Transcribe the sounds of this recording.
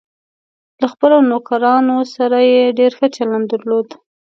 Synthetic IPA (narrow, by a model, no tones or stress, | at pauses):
laxpəlawnokaɾɑnosaɾajeɖeɾxət͡ʃaland̪əɾlod̪